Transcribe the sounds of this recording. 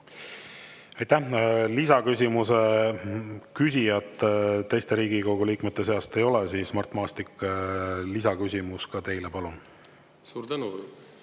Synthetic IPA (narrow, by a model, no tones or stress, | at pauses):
ɑjt̪ːˑæhlisɑkys̬ʲimuse̞ | kys̬ʲijɑt̪ːˑt̪ːe̞jst̪e̞ɾiːɡ̥iko̞ɡ̥uliːkmet̪ˑːe̞s̬e̞ɑst̪e̞jo̞lɛsiːsmɑrt̪ˑmɑːst̪ikː | lisɑkysʲimuskɑt̪e̞jlepɑlun | suːɾt̪ænu